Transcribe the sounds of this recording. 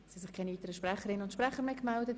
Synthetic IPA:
sisɪχkʰaɪnyːtəɾəʃprɛχəɾɪnʊntʃpɾɛχəɾmekmɛldət

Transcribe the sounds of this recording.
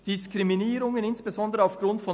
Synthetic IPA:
d̥ɪskʁ̥iminiːɾʊŋənɪnsb̥ezɔndəʁaʊfɡ̥ʁʊntfɔ

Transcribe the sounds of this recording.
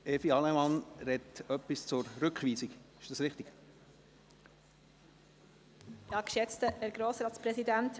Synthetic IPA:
ɛfiɑlɛmɑnɾɛtœpːist͡sʊrɾʏkχʋiːsikɪʃd̥ɑsɾɪχtɪɡ̥ | j̥ɑːkʃɛt͡stəəɾɡɾoːsɾɑːt̪t͡spɾɛsidænt

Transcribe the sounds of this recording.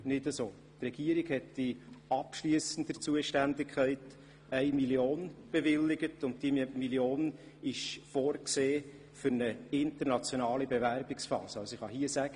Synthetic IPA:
nɪdəsoː | trɛɡ̥iəɾɪɡhɛtːɪɑpʃliəsən̩dət͡suəʃtændɪkʰχæɪt | æɪmiljoːnb̥evɪlːɪɡətʊnt̚d̥imiljoːn | ɪʃfoːɾkseː | fʏɾnəɪntəɾnɑt͡sjonɑːlibevæɾbɪksfɑ̰ːsəɑlsoɪχɑɦiəsæɡ̥ə

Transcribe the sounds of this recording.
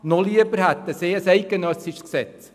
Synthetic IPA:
noliəbəɾhæt̪ːəseːəsɛɪɡənœsiʃsksɛt͡s

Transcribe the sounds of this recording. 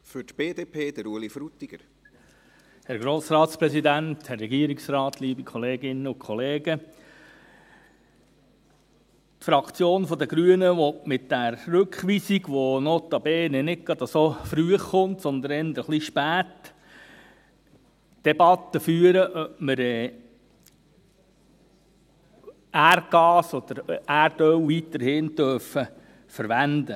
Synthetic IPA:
fʏtb̥eːdeːpʰeːd̥̪əɾuəlifɾut̪ːiɡ̥əɾ | hæɾɡ̥ɾoːsɾɑːt̪spɾɛsid̪ænt̪hɛrːɛɡiəɾiksɾɑːt̪liːbikʰχɔleːɡɪnːəʊkʰχɔleːɡə | tfɾɑkt͡sjoːnfɔd̪əɡ̥ɾyənəʋɔtmɪt̪d̥æɾːɵkχʋiːsiɡʋonot̪ɑbɛːnɛnɪk̚ɡ̥ɑd̪əsofɾyəχːʊnt̪sɔnd̪ənɛnd̪ɾəχliʃpæːt̪ | d̥ɛbɑt̪ːəfyːəɾəʔœpməɾɛ | ærɡ̥ɑːsɔd̪̥əɾæːɾd̥œwʋit̪əɾhɪnt̪œɾfə | fəɾʋænd̪ə

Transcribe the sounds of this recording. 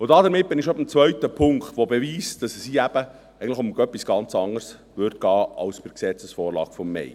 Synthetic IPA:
ʊdɑdəɾmɪt̚bɪnɪʃɔbəmt͡svœɥtəpʰʊŋktʋobɛviːsd̥ɑssiæb̥ə | ɛɡən̩ləχʊmœpːisɡ̥ɑnt͡sɑŋərs | vʏɾtɡ̥ɑːɑwspɪɾksɛt͡səsfɔːrlɑ̰ːɡ̥fɔmːɛ̰j

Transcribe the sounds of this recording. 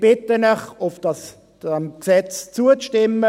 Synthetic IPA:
b̥ɪt̪ənɛχʊfd̥ɑs | mksɛt͡st͡suəʃtɪmːə

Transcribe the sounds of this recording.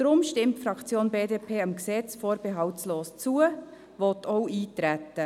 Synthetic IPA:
d̥ɾʊmʃtɪmtfɾɑkt͡sjoːnbeːdeːpʰeːɑmksɛt͡sfoːɾb̥eɦɑltsloːst͡suə | vɔtʰɔʊʔiːtɾɛtːə

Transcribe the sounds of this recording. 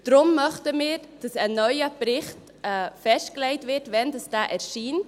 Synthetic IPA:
d̥ɾʊmːœχtəmɪːɾd̥ɑsɛnːœʏəbɾɪχt | ɛfɛʃtkleɪtʋɪɾtʋɛndɑsd̥æːʔɛɾʃiːn

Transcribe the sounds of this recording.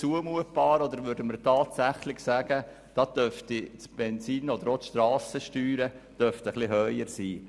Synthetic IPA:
t͡suəmuət̚b̥ɑːɾɔd̪əɾʋʏɾdəməɾtɑːtsæχlɪɡsæɡ̥ə | d̥ɑd̥̪œɾftit͡sb̥ɛnsiːnɔd̪əɾotʃt̪ɾɑːsəʃtyːɾə | d̥œɾft̪əχlɪɦœʏəɾsiː

